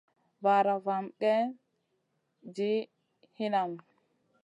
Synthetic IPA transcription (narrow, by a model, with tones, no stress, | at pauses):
baɾa˨vamkɛ˦ | d͡ʒi˦ | hi˦na˨m